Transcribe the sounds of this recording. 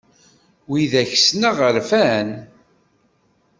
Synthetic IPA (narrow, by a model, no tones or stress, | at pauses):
wiðæçsnəʁəɾfæn